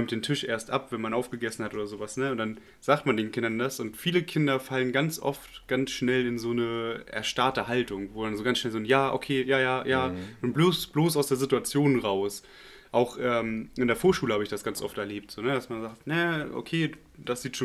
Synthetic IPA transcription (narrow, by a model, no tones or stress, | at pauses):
ɔɪmtd̥eːntʰɪʃʔḛːɐstʔapv̥ɛnmanʔaʊfɡ̥əɡɛsn̩hatʔoːdɐzoːvasnəʊntd̥an | z̥aːktmandeːnkʰɪndɐndasʊntfiːləkʰɪndɐfalənɡant͡sʔɔ̰ftɡ̥ansʃnɛlɪnzoːnəʔɛ̰ɐʃtaɐtəhaltʊŋvoːdanzoːɡant͡ssʃnɛlzoːnjaːʔo̰kʰeːjaːjaːjaːnuːnbloːsb̥loːsaʊsd̥eːɐzɪtuat͡sjoːnʁaʊs | ʔaʊxʔɛːmʔɪndeːɐfoːɐʃuːləhaːbəɪçd̥asɡ̥ant͡sʔɔ̰ftɛɐleːp̚tz̥oːnədasmanzaːktnəʔo̰kʰeː | d̥asz̥iːtʃoː